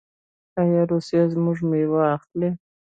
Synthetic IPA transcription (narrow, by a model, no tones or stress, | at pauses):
ajaɾusijazmʊʐmewaːxt̪le